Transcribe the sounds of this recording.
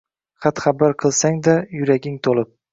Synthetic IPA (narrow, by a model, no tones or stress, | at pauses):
χɑt̪χabaɾqʰɨlˠsaŋd̪ajʊɾaɡʲɪŋt̪ʰolɪp̚